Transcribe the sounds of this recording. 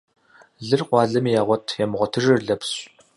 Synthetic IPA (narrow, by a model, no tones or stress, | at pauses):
ɮɨrqʷɑːɮɐmijaːʁʷɔtʰjɛmʁʷɔtʰɨʐɨrɮɐpɕʼ